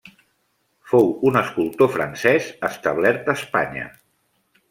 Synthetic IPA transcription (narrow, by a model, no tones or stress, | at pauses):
fowunəskulˠt̪ofɾə̰nsɛzəst̪əβ̞lɛɾt̪̚əspaɲə̰